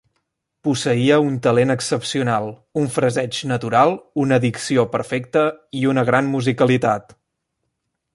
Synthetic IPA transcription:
pusəiəunt̪əlenəksəpsiunalˠuɱfɾəzɛd͡ʒnət̪uɾalˠunəðiksiopəɾfɛkt̪əiunəɣɾanmuzikəlit̪at̪

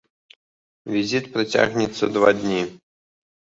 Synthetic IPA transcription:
vʲizʲit̪pɾɨtʲa̰ɣnʲɪt̪sːəd̪vad̪ʲnʲi

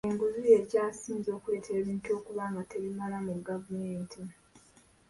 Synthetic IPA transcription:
eŋɡuzuje̞caːsiːnzo̞ːkue̞ːtʰe̞ːβiːnto̞ːkuβaːŋɡate̞βimalamuɡavumeːntʰi

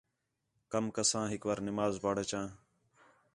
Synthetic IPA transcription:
kəmkəsãːɦɪkʋaːɾnɪmaːzpaːɽeːt͡ʃãː

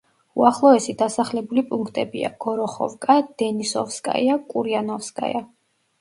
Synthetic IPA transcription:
uaχlˠɔɛsid̪asaχlɛbulipʼuŋkʰt̪ʼɛbḭa̰ɡ̥ɔɾɔχɔ̰vkʼad̪ɛnisɔ̰fskʼa̰jakʼuɾianɔfskʼa̰ja̰

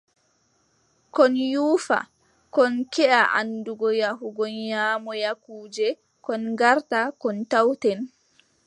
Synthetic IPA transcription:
kɔnjuːfa̰ | kɔnkɛʔaʔa̰nduɡɔjaɦuɡɔnjaːmɔjakuːd͡ʒɛ | kɔnɡaɾtakɔntawtɛn

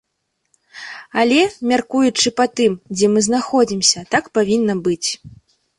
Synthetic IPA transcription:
alʲɛmʲarkujut͡ʂɨpɐt̪ɨmd͡zʲɛmɨznaxɔd͡zʲimsʲɐt̪akpavʲinːɐbɨt͡sʲ

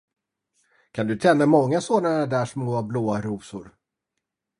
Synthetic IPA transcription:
kʰand̪ɵt̪ʰɛnːamɔŋːasoːnaɾad̪æːʂmoːabloːaɾuːsʊ̰ɾ

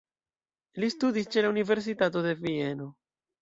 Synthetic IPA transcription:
list̪ud̪ist͡ʃelauniveɾs̬it̪at̪oðevieno

